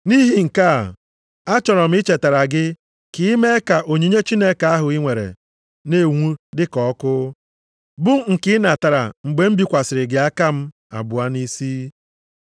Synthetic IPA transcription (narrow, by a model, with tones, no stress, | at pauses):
ni˦ɦi˨ŋ̩˨ka̰˦˨ | a˦t͡ʃɔ˨ɾɔ˨m̩˨˦ɪ˦t͡ʃe˨ta˨ɾa˨ɡɪ˦ | ki˦me˦ka˨ʔo˨ɲe˨ɲe˦t͡ʃi˦ne˦ka˨a˦ɦʊ˨i˦ŋʷe˨ɾḛ˨ | ne˦˨ŋʷu˦dɪ˦kɔ˨˦kʊ˦ | bʊ˦ŋ̩˨kɪ˦na˨ta˨ɾa̰˨ŋ͡m̩˨ɡ͡be˨m̩˦bi˨kʷa˨sɪ˨ɾɪ˨ɡɪ˨˦a˦ka˦m̩˦ | a̰˨bʊ˨a˦ni˦siː˦